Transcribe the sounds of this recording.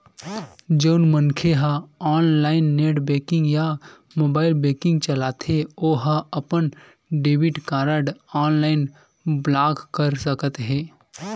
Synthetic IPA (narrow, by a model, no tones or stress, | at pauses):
d͡ʒəʊnmənkʰeɦə̃aːnlaːɪnːeːʈbeːkɪ̃ŋɡja | moːbaːɪlbeːkɪ̃ŋɡt͡ʃəlaːt̪ʰeoːɦəɐpən | ɖeːbɪʈkaːɾəɖaːnlaːɪn | blaːkkəɾsəkət̪ɦɛː